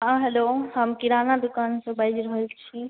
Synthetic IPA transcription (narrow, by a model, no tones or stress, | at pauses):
ɦãɦelohəmkiɾanad̪ʊkaːnsə̃bəd͡ʒɾəɦəlt͡ʃʰi